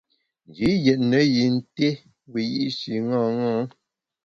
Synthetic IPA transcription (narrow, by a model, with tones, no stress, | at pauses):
n˨d͡ʒi˨˦jɛ˨t̚nə˨˦ji˨n̩˦te˦ | wi˨jḭ˦ʔʃi˨ŋɔ̃˦ŋɔ̃˦